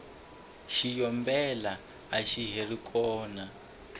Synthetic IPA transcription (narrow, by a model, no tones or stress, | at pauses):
ʃijɔmbɛlaː | ʃiɦerikʰʼɔːna